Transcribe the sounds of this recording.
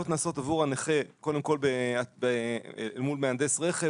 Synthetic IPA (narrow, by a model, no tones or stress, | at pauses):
ot̪naːso̞tavuʁaneχeko̞demko̞lbeabeelmulmeand̪e̞sʁeχe